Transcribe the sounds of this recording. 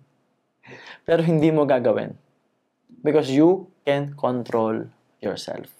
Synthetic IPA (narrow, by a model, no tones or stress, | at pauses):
pɛːɾoɦɪnd̪iːmoɡaɡɐwɪ̰n | bɪkɔsjukɛ̃nkʰɔnt̪ɾol | jɔ̰ɹsɛ̰lf